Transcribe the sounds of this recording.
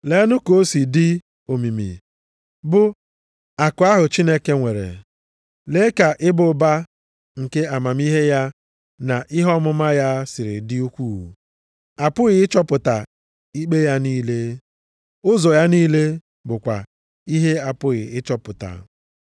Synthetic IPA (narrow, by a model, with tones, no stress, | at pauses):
le˨˦nʊ˦ko˦si˨dɪ˦ | o˨mi˨mḭ˨ | bʊ˨ | a˨kʊ˨˦a˦ɦʊ˨t͡ʃi˦ne˦ke˦ŋʷe˨ɾḛ˨ | le˦ka˨ʔɪ˦bʊ˨˦ba˦ | ŋ̩˨ke˦a˨ma˨m˦i˦ɦe˦ja˦ | na˨ʔɪ˦ɦɔ˦mʊ˦ma˦ja˦sɪ˨ɾɪ̰˨dɪ˦u˦kʷu˦˨wṵ˨ | a˨pʊ˦ɣɪ˨ɪ˦t͡ʃɔ˦pʊ˨ta˨ | i˦k͡pe˦ja˦niː˦le˦ | ʊ˦zɔ˨ja˦niː˦le˦ | bʊ˨kʷa̰˨ | i˦ɦe˦a˨pʊ˦ɣɪ˨ɪ˦t͡ʃɔ˦pʊ˨ta̰˨